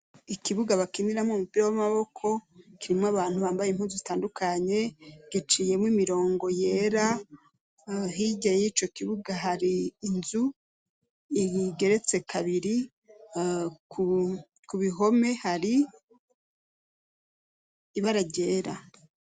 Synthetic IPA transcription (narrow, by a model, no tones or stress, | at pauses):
ikiβuɡaβakiniɾamomupiɾowamaβo̞kʰo̞kiɾimoaβaːn̥huβaːmbajem̥huːnzozitaːndukaɲe̞ɡ̥it͡ʃije̞mwimiɾo̞ːŋɡo̞je̞ːɾa | ɦiɟajit͡ʃo̞kiβuɡaɦaɾiːnzu | iiɡe̞ɾe̞t͡se̞kʰaβiɾi | kʰu | kuβiɦo̞me̞haɾi | βaɾaɟe̞ːɾa